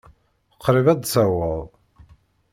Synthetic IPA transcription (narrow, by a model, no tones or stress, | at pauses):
əqːɾivæd̪sæwəðˤ